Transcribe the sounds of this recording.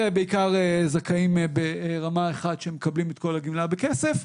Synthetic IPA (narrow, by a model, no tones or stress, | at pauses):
ebeikaʁezakaimbeʁamaeχadʃemekablimet̪̚ko̞laɡimlabekesef